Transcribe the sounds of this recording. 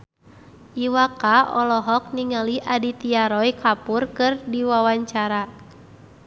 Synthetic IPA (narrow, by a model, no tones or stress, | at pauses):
ʔiwakaɔlɔɦɔk̚niŋaliʔadit̪iaɾɔjkʰapurkɨrdiwawaɲt͡ʃaɾa